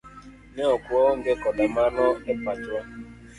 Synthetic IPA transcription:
neɔkwɔŋ̩ɡekɔdamanɔɛpat͡ʃwa

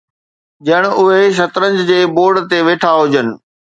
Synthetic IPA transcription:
d͡ʑɐəɽ̃ʊɦeʃ̬ɐt̪ɾə̃ɲd͡ʑd͡ʑeːboːɾɖt̪eʋeːʈʰaɦʊd͡ʑənɪ̆

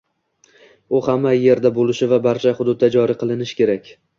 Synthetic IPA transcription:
ʊhamːaje̞ɾd̪abolɪʃɪvabaɾt͡ʃʰaχʊd̪ʊd̪ːad͡ʒɒɾɪqʰɨlˠɪnɪʃɪ̥kʲe̞ɾakʲ

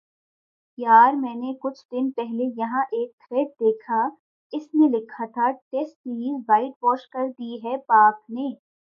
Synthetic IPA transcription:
jaːɾmɛ̃ːnekʊt͡ʃʰd̪ɪnpɛɦlejɐɦãʔeːk̚t̪ʰɾeːʈ̚d̪eːkʰa | ɪsnẽlɪkʰːat̪ʰaʈeːsʈ̚iʋaːɪʈbɔːɾʃkɐɾd̪iɦɛpaːkneː

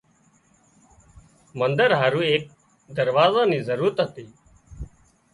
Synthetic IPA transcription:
mənd̪əɾɦaːɾũːeːk̚ | d̪əɾʋaːzãːniːzəɾuːɾət̪ɦət̪iː

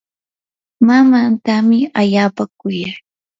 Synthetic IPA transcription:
mamant̪amɪaʎaːpakʊjaj

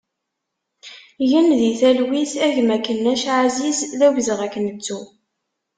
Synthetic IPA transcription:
jənðiθælwiθæʝmækːənːæʃʕazisðæʝzʁækːənət͡sːu

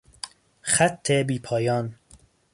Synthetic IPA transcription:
χæt̪ʰːebiːpʰɒːjɒːn

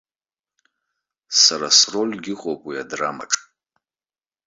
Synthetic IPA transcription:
saɾasro̞lʲɡʲɪχʷʼopʼwiadrama̰ʈ͡ʂʼ

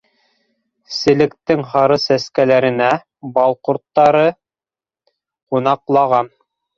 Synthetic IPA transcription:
sɘ̆lɘ̆kt̪ːɘŋhɑɾɤsæskælæɾɘ̆næ | bɑlˠquɾt̪ːɑɾɤ | qunɑqlˠɑʁɑn

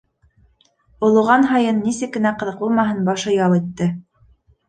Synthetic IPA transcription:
ŏlˠŭʁɑnɦɑjɤnːisɘkːɘ̆næqɤ̆ðɤ̆q̚bulˠmɑɦɤnbɑʃɤjɑlˠit̪ːɘ

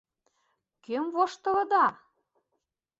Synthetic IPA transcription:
kømvoʃt̪ɤ̆lɤ̆d̪ɑ

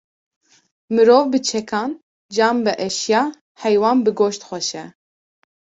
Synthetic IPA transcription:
mɨɾoːvbɨt͡ʃʰɛkʰɑːn | d͡ʒɑːmbɨʔɛʃjɑː | hɛjwɑːnbɨɡoːʃt̪xʷɛʃɛ

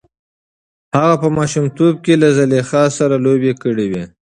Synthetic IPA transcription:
haɣapəmɑʃumt̪ob̚kelazalexɑsaɾalobekəɽiwi

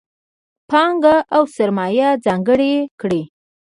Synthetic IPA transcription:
pɑŋɡaʔawsaɾmɑjad͡zɑŋɡəɽekɽe

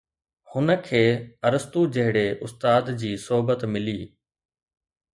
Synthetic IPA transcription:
hʊnəkʰeːɐɾəst̪ud͡ʑɐɦɪɽeʔʊst̪aːd̪d͡ʑiːsoɦbət̪mɪliː

